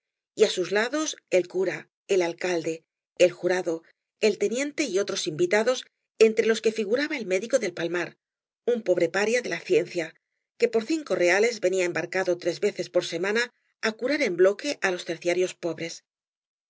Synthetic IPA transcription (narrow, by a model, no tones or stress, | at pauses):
iasuzlaðo̞se̞lkuɾa | elalkald̪e̞ː | lxuɾaðo̞ | e̞lt̪e̞njẽ̞nt̪e̞io̞t̪ɾo̞simbit̪aðo̞s | e̞nt̪ɾe̞lo̞ske̞fiɣuɾaβaelme̞ðiko̞ðe̞lpalmaɾ | umpo̞βɾe̞paɾjaðe̞laθje̞nθja | ke̞po̞ɾθiŋko̞re̞ale̞zβe̞niaembaɾkaðo̞t̪ɾezβe̞θe̞spo̞ɾse̞mãna | akuɾaɾe̞mblo̞ke̞ʔalo̞st̪e̞ɾθjaɾjo̞spo̞βɾe̞s